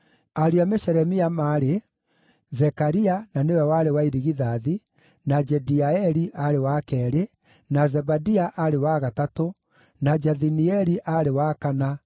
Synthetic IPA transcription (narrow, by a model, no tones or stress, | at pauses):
aɾiamɛɕɛɾɛmiamaːɾe | zɛkaɾiananewɛwaɾewaiɾiɣiðaði | nad͡ʒɛdiaɛɾiʔaɾewakɛɾe | nazɛbadiaʔaɾewaɣatato | nad͡ʒaðiniɛɾiʔaɾewakana